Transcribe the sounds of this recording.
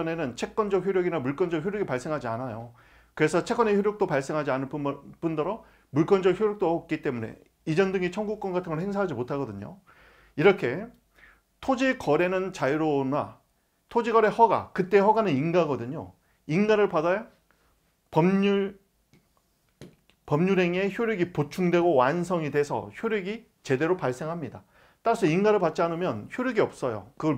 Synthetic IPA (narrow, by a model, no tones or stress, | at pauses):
ʌne̞nɯnt͡ɕʰe̞k͈wʌnd͡ʑʌk̚çjoɾjʌɡinamuɭk͈ʌnd͡ʑʌk̚çjuɾjoʌɡipaɭs͈e̞ŋɦad͡ʑianajo | kɯɾe̞sʰʌt͡ɕʰek͈wʌneçjuɾjok̚t͈opaɭs͈e̞ŋɦad͡ʑianɯnpp͈undʌɾʌ | muɭk͈ʌnd͡ʑʌk̚çjoɾjok̚t͈oʌk̚k͈it͈e̞mune̞̰ | id͡ʑʌndɯŋit͡ɕʰʌŋɡuk͈̚ʌnɡatʰɯŋʌɭheŋsʰaɦad͡ʑimotʰaɡʌdɯɲo̰ | iɾʌkʰe̞ | tʰod͡ʑikʌɾe̞nɯnt͡ɕaiɾona | tʰod͡ʑiɡʌɾe̞hʌɡa̰kɯt͈e̞ɦʌɡanɯninɡaɡʌdɯɲo | inɡaɾɯɭpadaja | pʌmu | pʌmɲuɾe̞ŋe̞çjoɾjʌɡipot͡ɕʰuŋdwe̞ɡowansʰʌŋidwe̞sʰʌ̰çjoɾjʌɡi | t͡ɕe̞de̞ɾopaɭs͈e̞ŋɦamɲida | t͈aɾasʰʌinɡaɾɯɭpat̚t͡ɕ͈ianɯmjʌnçjoɾjʌɡiʌp̚s͈ʌjo̰kɯɡʌ